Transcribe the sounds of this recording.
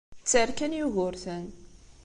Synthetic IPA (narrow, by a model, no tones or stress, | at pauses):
t͡sːəɾkænjuɣʊɾθæn